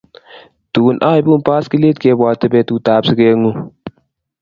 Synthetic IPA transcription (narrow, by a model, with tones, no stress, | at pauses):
tuː˨nʔaː˦jbu˦npa˦ski˦leː˦t̚ke˧bwaː˨tə˦be˦tuː˨taː˨bsə˦ɡe˦ŋu˦˨